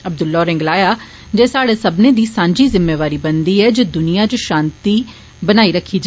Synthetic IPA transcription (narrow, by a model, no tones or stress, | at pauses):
əb̚d̪ʊlːɔːɾɪ̃ŋɡlaːjaː | d͡ʒeːsaːɽeːsəbneːd̪iːsãːɲd͡ʒiːzɪmːeːʋaːɾiːbənd̪iːɛːd͡ʒeːd̪ʊnijãːd͡ʒoʃãːnt̪iː | bənaːiːɾəkʰːiːd͡ʒa